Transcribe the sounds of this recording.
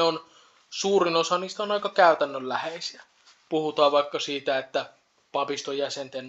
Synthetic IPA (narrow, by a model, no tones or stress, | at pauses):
on | suːrinosɑnist̪onɑikɑkæˑyt̪ænːøllæheisiæ | puhut̪ɑːʋʋɑikːɑsiːt̪æet̪ːæ | pɑpist̪ojæsent̪en